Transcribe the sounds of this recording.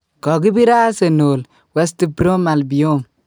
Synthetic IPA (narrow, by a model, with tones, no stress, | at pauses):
kɔ˨ɡi˦bi˦ɾa˦se˨noː˨l | wɛ˦sti˦bɾo˦ma˨lbi˨jo˦m